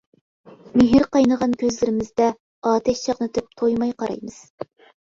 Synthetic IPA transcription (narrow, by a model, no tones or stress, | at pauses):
mɪɦɪɾqɑjnəʁɑnkʲøzlɪɾɪmɪzd̪ɛ | ɑːt̪ʰɛt̪t͡ʃʰɑqnɨt̪ʰɪp̚t̪ʰojmɑjqɑɾɑ̰jmɨz̥